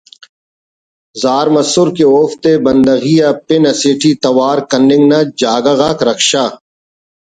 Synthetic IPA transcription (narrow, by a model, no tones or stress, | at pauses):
zaːɾmɐsʊɾkeoːft̪ebɐnd̪ɐɣiːjapɪnɐseːʈʰiːt̪ɐwaːɾkɐnɪ̃ŋɡnad͡ʒaːɡaɣaːkɾɐkʃaː